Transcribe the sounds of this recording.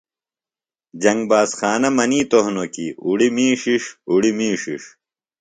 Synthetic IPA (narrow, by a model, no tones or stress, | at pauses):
d͡ʑɐŋɡbaːsxaːnɐmɐniːt̪oɦnokḭuɽimiːʂiʂuɽimiːʂiʂ